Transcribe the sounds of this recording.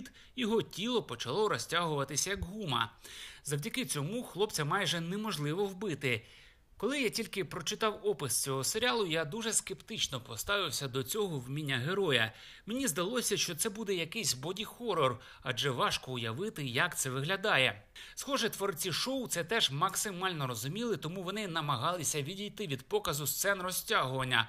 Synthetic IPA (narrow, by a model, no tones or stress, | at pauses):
d̪ | jɔɦɔtʲilˠɔpɔt͡ʃɐlˠɔɾɔsʲtʲaɦʊʋɐt̪ɪsʲɐjɐɡɦumɐ̰zɐwdʲɐkɪt͡sʲɔmuxlˠɔpt͡sʲɐmɑjʒɛnemɔʒlˠɪʋɔwbɪt̪ɪ | kɔlˠɪjatʲilʲkɪpɾɔt͡ʃɪt̪ɑwɔpɪst͡sʲɔɦɔseɾʲalˠʊjad̪uʒɛskept̪ɪt͡ʃnɔpɔst̪ɑʋɪwsʲɐd̪ɔt͡sʲɔɦɔwmʲinʲːɐɦeɾɔjɐ | menʲizd̪ɐlˠɔsʲɐʃt͡ʃɔt̪sɛbud̪ɛjɐkɛsʲbɔdʲixɔrɔr | ɐd͡ʒɛʋɑʃkɔʊjɐʋɪt̪ɪjɐkt̪sɛʋɪɦlʲɐd̪ɑjɛ | sxɔʒɛt̪ʋɔɾt͡sʲiʃɔwt̪sɛt̪ɛʒmɐksɪmɑlʲnɔɾɔzʊmʲilˠɪt̪ɔmuʋɔnɪnɐmɐɦɑlˠɪsʲɐʋʲidʲijt̪ɪʋʲid̪̚pɔkɐzʊst̪sɛnrɔsʲtʲaɦʊʋɐnʲːɐ